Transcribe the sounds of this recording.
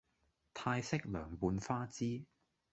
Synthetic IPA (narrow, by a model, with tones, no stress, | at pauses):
t̪ʰaː˧jsɪ˥k̚lœː˨˩ŋpuː˨˧nfaː˥t͡siː˥